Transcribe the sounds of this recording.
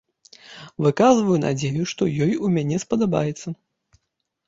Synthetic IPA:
vɨkazvɐjuna̰d͡zʲejuʂt̪ɔjɔjumʲanʲɛspɐd̪aba̰jɛt̪sːɐ

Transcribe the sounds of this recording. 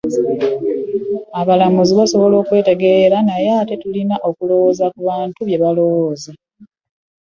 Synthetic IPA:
aβalamuziβaso̞βo̞lo̞ːkwe̞ːte̞ɡe̞ɾanajate̞tulinaʔo̞kulo̞wo̞ːzakuβaːntuβje̞βalo̞woːza

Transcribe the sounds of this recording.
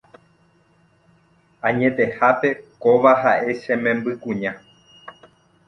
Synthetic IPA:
ãɲẽ̞t̪e̞hape̞koʋaɦaʔe̞ʃẽ̞mẽ̞mbɨkũɲã

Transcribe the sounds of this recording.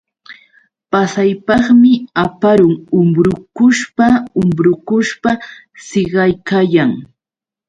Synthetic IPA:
pasajpɑχmɪapaɾʊŋʊmɾʊkʊʃpaʊmbɾʊkʊʃpa | seɢɑjkajaŋ

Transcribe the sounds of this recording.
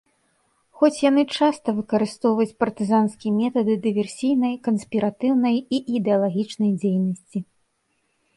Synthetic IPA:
xɔt͡sʲjanɨt͡ʂast̪ɐvɨkɐɾɨst̪ɔwvɐjt͡sʲpɐrt̪ɨzanskʲimʲɛt̪ɐd̪ɨd̪ɨvʲɛrsʲijnɐjkɐnsʲpʲiɾat̪ɨwnɐjiʔid̪ɛɐlˠaɣʲit͡ʂnɐjd͡zʲejnɐsʲt͡sʲi

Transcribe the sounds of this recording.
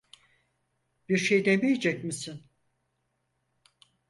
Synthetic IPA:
biɾʃejd̪emejed͡ʒɛc̚misin

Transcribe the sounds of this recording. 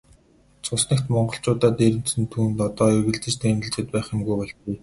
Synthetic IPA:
t͡sʰʊsnə̆kt̪mɔɴɢɞ̆ɬt͡ɕʊːt̪aːt̪eɾɘ̆n̥sɘ̆nt̪ʰuːnt̪ɔt̪ɔːeɣɘ̆ɮt͡sɘ̆t͡ɕt̪æmʲɘ̆ɮt͡ɕɪ̆t̪̚pæːχɪ̆mɡujpɔɮt̪uj

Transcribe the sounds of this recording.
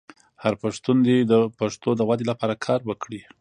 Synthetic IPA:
haɾpəʂt̪und̪ed̪əpaʂt̪od̪əwad̪elapɑɾakʰɑɾwəkɽi

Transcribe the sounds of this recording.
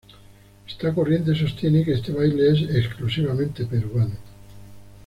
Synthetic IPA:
est̪akorje̞nt̪̬es̬o̞st̪je̞nekeest̪eβ̞ajlees̬eksklusiβ̞amẽnt̪e̞pe̞ɾuano

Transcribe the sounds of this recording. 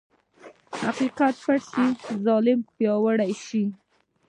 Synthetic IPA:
ha̰qiqat̪̚paɽʃizɑlɪmpjɑwəɽajʃi

